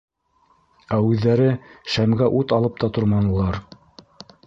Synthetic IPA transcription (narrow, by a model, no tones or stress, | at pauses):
æʉðːæɾɘʃæmɡæʔut̪ɑlˠɤp̚t̪ɑt̪ŏɾmɑnɤ̆lˠɑɾ